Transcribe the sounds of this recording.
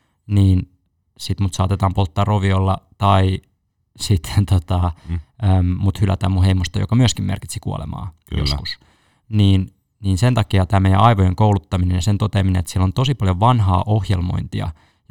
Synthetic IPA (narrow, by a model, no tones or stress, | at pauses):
niːn | sit̪mut̪sɑːt̪et̪ɑːmpolt̪ːɑːroʋiolːɑt̪ɑi | sit̪ʰːent̪ot̪ɑømmut̪hylæ̰t̪æ̰ːmuheimost̪ɑjo̰kɑmyøskimḛrki̥t̪sikuo̰lḛmɑ̰ːkjoskus | niːn | niːnsent̪ɑkiɑt̪æːmejæ̰ʔɑiʋojeŋkoulut̪ːɑminenjɑsent̪ot̪eminenet̪sielːont̪osipɑljoʋʋɑnɦɑ̰ːʔohjḛlmo̰int̪iɑ̰ | j